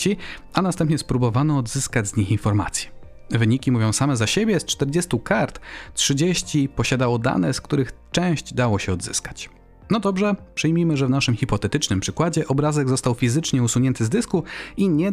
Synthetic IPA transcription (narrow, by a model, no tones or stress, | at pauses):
t͡ɕianast̪ɛ̃mpɲɛspɾubɔvanɔːd̪zɘskad͡ʑzɲixinfɔɾma̰t̪sʲjɛ̥ | vɘɲikʲimuvjɔ̃w̃samɛzaɕebʲjɛst͡ʂt̪ɛɾd͡ʑest̪ukaɾt̪tʂɘd͡ʑeɕt͡ɕipɔɕad̪awɔd̪a̰nɛskt̪uɾɘxt͡ʂɛ̃w̃ɕd͡ʑd̪awɔɕɛɔd̪zɘ̰skḁt͡ɕ | nɔd̪ɔbʐɛpʂɘjmʲimɘʐɛvnaʂɘmxʲipɔt̪ɛt̪ɘt͡ʂnɘmpʂɘkwad͡ʑɛʔɔbɾazɛɡzɔst̪awfʲizɘt͡ʂɲɛusuɲɛnt̪ɘzd̪ɘskuiɲɛ